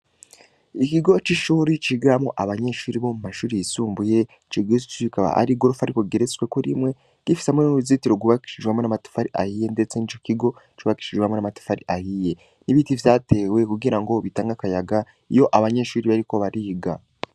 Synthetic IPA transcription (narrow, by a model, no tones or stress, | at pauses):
ikiɡo̞t͡ʃiʃuːɾit͡ʃiɡaamoʔaβaɲe̞ʃuːɾiβo̞mumaʃuːɾiisuːmbuje̞ | t͡ʃiɡezut͡ʃikaβa̰ʔa̰ɾiɡo̞ɾufaɾiko̞ɡeɾet͡swe̞koɾimŋe̞ | ɡ̥ifi̥seamenuzitiɾoɡuβaki̥ʃiʒɡwamonamatu̥faɾiʔa̰hije̞nde̞t͡senit͡ʃokiɡo̞t͡ʃuβaki̥ʃiʒɡwamonamatu̥faɾiʔahije̞ | niβitivjaːte̞ːwe̞kuɡiɾaŋɡo̞βitaːŋɡakajaɡa | ijo̞ʔaβaɲe̞ʃuːɾiβaɾiko̞βaɾiːɡa